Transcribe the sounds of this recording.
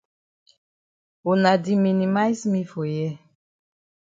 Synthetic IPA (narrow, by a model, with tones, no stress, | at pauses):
o˨na˨di˨mi˨ni˨ma˦jsmi˦fo˨jɛ˦